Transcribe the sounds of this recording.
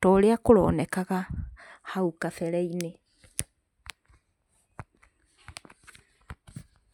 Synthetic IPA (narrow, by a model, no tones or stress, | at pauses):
tɔɾeakoɾɔ̰ːnɛkaɣahaukafɛɾɛine